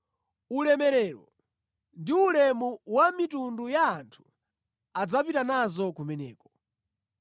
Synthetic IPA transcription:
ulɛmɛɾɛːɾɔ | ndiulɛmuwamitundujaːntʰu̥ | ad͡zapitanazɔkumɛnɛ̰ːkɔ

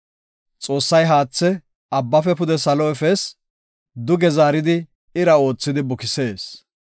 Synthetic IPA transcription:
t͡sʼo̞ːsːɐjɦaːt͡sːɛ | ɐbːɐfɛpʊd̪ɛsɐlɔɛfɛs | d̪ʊɡɛzaːɾɪd̪ɪ | ɪɾɐo̞ːt͡sːɪd̪ɪbʊkɪse̞ːs

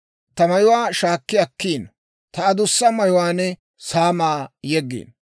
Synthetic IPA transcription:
t̪ɐmɐjʊwaːʃaːkːɪjɐkːiːn | t̪ɐɐd̪ʊsːɐmɐjʊwaːnɛ | saːmaːjɛɡːḭːn

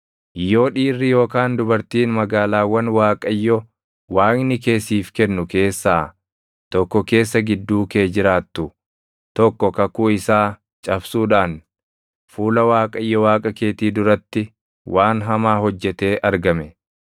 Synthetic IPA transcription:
ɪjːo̞ːᶑiːrːɪjo̞ːkaːnd̪ʊbɐɾt̪iːnmɐɡaːlaːwːɐnwaːkʼɐjːɔ | waːŋnɪke̞ːsiːfkɛnːʊke̞ːsːaː | t̪ɔkːɔke̞ːsːɐɡɪd̪ːuːke̞ːd͡ʒɪɾaːt̪ːʊ | t̪ɔkːɔkɐkuːɪsaː | t͡ʃʼɐbsuːᶑaːn | fuːlɐwaːkʼɐjːɔwaːkʼɐke̞ːt̪iːd̪ʊɾɐt̪ːɪ | waːnɦɐmaːɦɔd͡ʒːɛt̪e̞ːʔɐɾɡɐmɛ

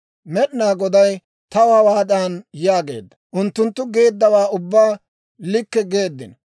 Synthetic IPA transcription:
mɛɗnaːɡɔd̪ɐj | t̪ɐwaːwaːt̪ʼaːnjaːɡe̞̰ːd̪ːɐʔʊnt̪ːʊnt̪ːʊɡe̞ːd̪ːɐwaːʊbːaː | lɪkːɛɡe̞ːd̪ːɪnɐ

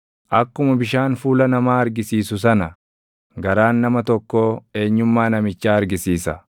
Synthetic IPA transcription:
ʔɐkːʊmɐbɪʃaːnfuːlɐnɐmaːɐɾɡɪsiːsʊsɐnɐ | ɡɐɾaːnːɐmɐt̪ɔkːoːe̞ːɲːʊmːaːnɐmɪt͡ʃːaːɐɾɡɪsiːsɐ

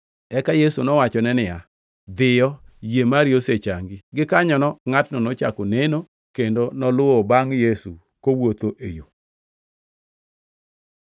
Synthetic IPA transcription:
ɛkajesunɔwat͡ʃɔnɛnɪja | d̪ɪjɔjemaɾjoset͡ʃaŋɡiɡɪkaɲɔnɔŋatnɔnɔt͡ʃa̰koneno | kendonɔlʊɔbaŋjesu | kowot̪oʔejo

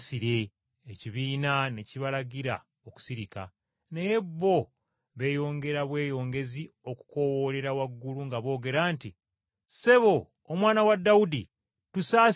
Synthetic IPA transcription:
siɾe̞ː | ciβiːnane̞ciβalaɟiɾa̰ | oku̥siɾika̰ | nejebːo̞ | βe̞ːjo̞ːŋɡe̞ɾaβwe̞ːjo̞ːŋɡe̞zi | o̞ku̥ko̞wole̞ɾawaɡːuluŋɡaβo̞ːɡe̞ɾaːnti | se̞βo̞ː | mwaːnawadːawudi | tusaː

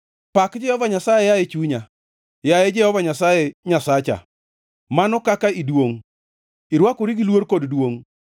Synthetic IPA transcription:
pakd͡ʒɛhɔvaɲasajɛjajet͡ʃuɲa | jajed͡ʒɛhɔvaɲasajeɲasat͡ʃa̰ | manɔkakaidwoŋ | iɾwakʊɾiɡilwoɾkoddwoŋ

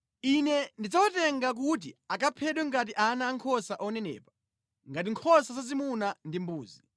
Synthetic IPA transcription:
inɛndid͡zawatɛŋɡak̬ut̬iakapʰɛɗwɛŋɡat̬iʔanaːŋkʰɔsaʔɔnɛnɛ̰ːpḁ | ŋɡat̬iŋkʰɔsazazimunandimbuːzi

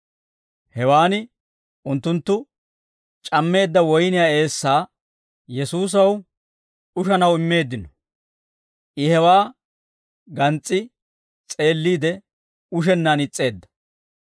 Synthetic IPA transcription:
hɛwaːnɪ | ʔʊnt̪ːʊnt̪ːʊ | t͡ʃʼɐmːe̞ːd̪ːɐwɔjnɪjaːe̞ːsːaː | jɛsuːs̬ɐw | ʊʃɐnɐwɪmːe̞ːd̪ːɪnɔ | ʔɪhɛwaː | ɡɐnt͡sʼːɪ | t͡sʼe̞ːlːiːd̪ɛ | ʊʃ̬ɛnːanɪt͡sʼːe̞ːd̪ːɐ

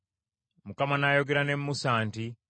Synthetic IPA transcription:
mukamanajo̞ɡe̞ɾane̞mːusaːnti

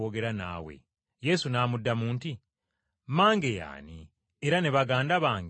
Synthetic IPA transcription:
oɡe̞ɾana̰ːwḛ | je̞sunaːmudːamuːnti | maːŋɡe̞ja̰ːni | eɾaneβaɡaːndaβaːŋɡ

